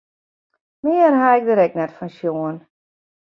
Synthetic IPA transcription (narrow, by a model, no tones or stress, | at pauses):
mɪənɦaɛk̚dəɾɛk̚nɛtfɔnʃjoən